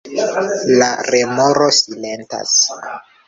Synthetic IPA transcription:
laɾemoɾo̞silenta̰s

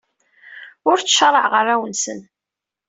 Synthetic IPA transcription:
ʊɾt͡sːəʃɾˤəʕʁərːæwənsən

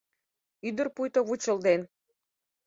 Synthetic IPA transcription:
yd̪ə̆rpujt̪oβut͡ɕə̆ld̪en

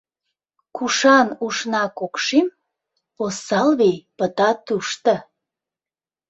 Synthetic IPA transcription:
kuʃɑnuʃnɑkokʃem | osːɑlβejpət̪ɑt̪uʃt̪ə̆

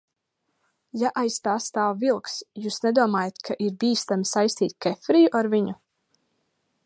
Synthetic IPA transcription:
jaʔajsːt̪aːst̪aːwvilˠksjuːsnɛd̪uɔmaːjat̪kʰaʔiɾbiːst̪amisajst̪iːt̪̚ʲkɛfɾijuʔaɾviɲu

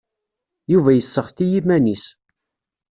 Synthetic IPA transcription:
juvæjəsːəχθijimænis

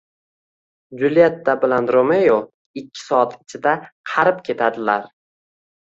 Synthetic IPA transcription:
d͡ʒʊlijat̪ːabɪlanɾomejo | ɪkʲʰːɪ̥sɒat̪ɪt͡ʃʰɪd̪aqʰɑɾɪp̚kʲʰe̞t̪ʰad̪ɪlaɾ

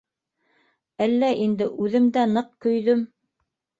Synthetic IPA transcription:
ælːæʔind̪ɘʔʉðɘ̆md̪ænɤqkɵ̆jðɵm

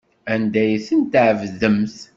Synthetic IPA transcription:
ænd̪æjθənt̪ʕəvzəmθ

